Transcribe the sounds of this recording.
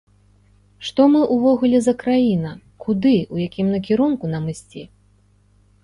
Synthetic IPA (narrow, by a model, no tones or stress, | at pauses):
ʂt̪ɔmɨʔuvɔɣulʲɛzɐkɾajinɐ | kud̪ɨujakʲimnɐkʲiɾunkunamɨsʲt͡sʲi